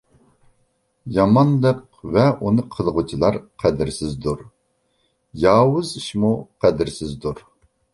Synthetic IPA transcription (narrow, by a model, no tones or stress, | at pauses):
jɑmɑnlˠəq̚ | vɛʔunɨqʰəlˠʁut͡ʃʰilˠɑɾqʰæd̪ɪɾsɪzd̪uɾ | jɑːwʊziʃmuqʰæd̪ɪɾsɪzd̪uɾ